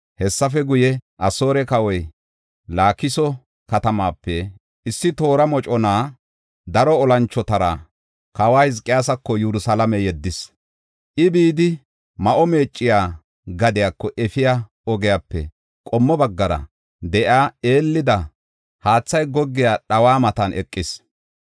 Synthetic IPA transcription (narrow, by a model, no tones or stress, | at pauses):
hɛsːɐfɛɡʊjɛʔɐso̞ːɾɛkɐwɔj | laːkɪsɔ | kɐt̪ɐmaːpːɛ | ɪsːɪt̪o̞ːɾɐmɔt͡ʃʼɔnaː | d̪ɐɾɔɔlɐnt͡ʃːɔt̪ɐɾa̰ | kɐwaːhɪzkʼːɪjaːsɐkːɔjuɾʊsɐlɐmɛjɛd̪ːɪs | ʔɪbiːd̪ɪ | mɐʔɔme̞ːt͡ʃʼːɪjaː | ɡɐd̪ɪjaːkːɔʔɛfɪja | ɔɡɛjaːpːɛ̰ | kʼɔmːɔbɐɡːɐɾɐ̰ | d̪ɛʔaːe̞ːlːɪd̪ɐ | haːt͡sːɐjɡɔɡːɪjaːɗɐwaːmɐt̪ɐnʔɛ̰kʼːɪs